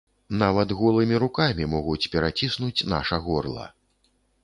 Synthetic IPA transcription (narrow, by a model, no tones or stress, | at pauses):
navɐt̪ɣɔlˠɨmʲiɾukamʲimɔɣut͡sʲpʲɛɾat͡sʲisnut͡sʲna̰ʂɐɣɔrlˠɐ̰